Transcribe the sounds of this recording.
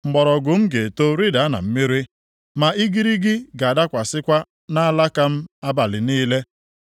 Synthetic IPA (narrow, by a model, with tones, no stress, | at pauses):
ŋ͡m̩˨ɡ͡bɔ˨ɾɔ˨ɡʊ˨m̩˦ɡe˨to˦ɾi˦da˨a˦na̰˨m̩˦mi˦ɾi˦ | ma˨i˦ɡi˦ɾi˦ɡɪ˦ɡa˨da˦kʷa˨sɪ˦kʷa˦ | na˦a˦la˦ka˦m̩˦a˦ba˨lɪ˨niː˦le˦